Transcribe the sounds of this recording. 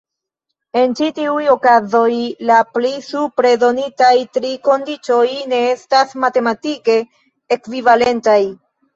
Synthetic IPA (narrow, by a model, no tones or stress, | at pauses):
e̞nt͡ʃitiujo̞kazo̞jlaplisupɾe̞do̞nitajtɾiko̞ndit͡ʃo̞jne̞estasmate̞matike̞ː | kvivale̞ntaj